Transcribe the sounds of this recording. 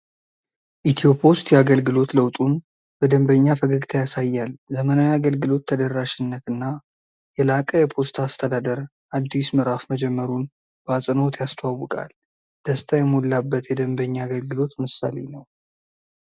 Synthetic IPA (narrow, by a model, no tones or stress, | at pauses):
ʔit̪ʰiopʰost̪jɛaɡəlɡɨlo̞t̪ləwt̪ʼun | b̥əd̪əmbəɲːafəɡəɡt̪ʰajasajːalzəmənawiaɡəlɡɨlo̞t̪ʰːəd̪ərːaʃɪnːət̪ɨnːa | jɛlakʼəjɛpʰo̞st̪ʰast̪ʰəd̪ad̪əɾ | ʔad̪ːismɨɾafməd͡ʒɛmːəɾun | b̥əasʼɨno̞t̪jast̪ʰwawːɨkʼa̰l | d̪̥əst̪ʰajɛmolːabːət̪jɛd̪əmbəɲːaːɡəlɡɨlo̞t̪mɨsːa̰le̞̰nəw